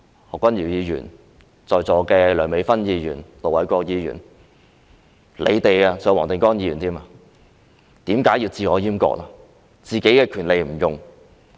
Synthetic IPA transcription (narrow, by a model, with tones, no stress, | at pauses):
hɔː˨kʷːwɐ˥njiː˨˩wjiː˨˧jyː˨˩n | t͡sɔː˨jt͡sɔː˨˧kɛː˧lœː˨˩ŋme˨˧˥jfɐ˥njiː˨˧jy̰ː˨˩nlo˨˩wɐ˨˥jkʷɔː˧k̚jiː˨˧jy̰ː˨˩n | lḛ˨˧jt̪e˨jaː˧sɔː˨˥ŋwɔː˨˩t̪ɪ˨˧ŋkɔː˥ŋjiː˧jyː˨˩nt̪iː˥maː˧ | t̪iː˨˥mkaː˨˥jiː˧wt͡siː˨˧ɔː˨˧jiː˥mkɔ̰ː˧k̚laː˧ | t͡siː˨ke˨˥jkɛː˧kʰyː˨˩nle˨˧jm̩˨˩jʊ˨ŋ